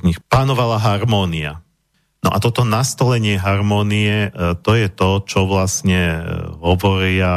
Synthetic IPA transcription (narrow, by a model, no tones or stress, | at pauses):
ɲixpanɔʋalaɦaɾmɔːnia̰ | nɔ̰ʔat̪ɔt̪ɔnast̪ɔlɛɲɪɛɦaɾmɔːniɛt̪ɔjɛt̪ɔt͡ʃɔʋlasɲɛɦɔʋɔɾɪa